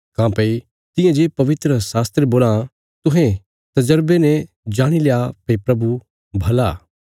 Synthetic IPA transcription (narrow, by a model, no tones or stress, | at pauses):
kãːpɐi | t̪ɪ̃jãd͡ʒeːpɐʋɪt̪ɾəsaːst̪ɾeboːlã | t̪ʊɦɛ̃ | t̪ɐd͡ʒəɾbenɛ̃ | d͡ʒaːɽ̃ilejapeipɾɐbu | bʱɐlaː